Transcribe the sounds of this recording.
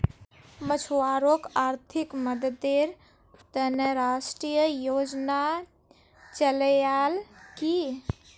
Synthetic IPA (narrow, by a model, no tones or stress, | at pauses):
mət͡ʃʰoaɾokaɾt̪ʰikməd̪əd̪eɾ | t̪əneɾasʈɾijəjod͡ʒna | t͡ʃəljalki